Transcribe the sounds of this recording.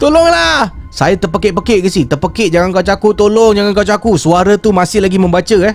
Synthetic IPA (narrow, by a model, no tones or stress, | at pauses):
t̪olɔŋlahsajat̪əpəkɛʔpəkɛʔɡəsit̪ərpəkɛʔd͡ʒaŋankawt͡ʃakut̪olɔŋd͡ʒaŋankawt͡ʃakusuaɾat̪umãsɪhlaɡimə̃mbat͡ʃəɛh